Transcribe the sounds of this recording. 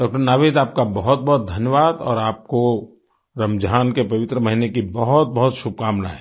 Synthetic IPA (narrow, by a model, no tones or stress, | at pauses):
ɖɔːk̚ʈəɾnaːʋeːt̪aːp̚kabɐɦʊt̪̚bɐɦʊt̪̚d̪ʱɐnjəʋaːd̪ɔ̰ːɾaːp̚ko | ɾəmd͡ʒʱaːnkepɐʋɪt̪ɾəmɐɦinekibɐɦʊt̪̚bɐɦʊt̪ʃʊb̚kaːmna̰ɦɛː